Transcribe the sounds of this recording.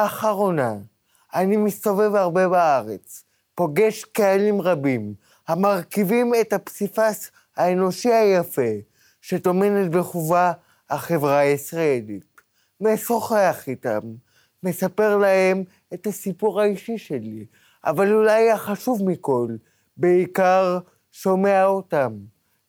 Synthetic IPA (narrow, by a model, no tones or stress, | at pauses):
aχaʁo̞na | animist̪ove̞vaʁbe̞baaʁe̞t͡s | po̞ɡe̞ʃkealimʁabim | hamaʁkivime̞t̪hapsifas | haeno̞ʃihajafe | ʃet̪o̞me̞net̪beχuva | haχe̞vʁaisʁaelit | mesoχeaχitamː | e̞sape̞ʁlahe̞m | e̞thasipuʁaiʃiʃe̞li | ʔa̰valulajaχaʃuvmiko̞l | beikaʁ | ʃo̞meaotam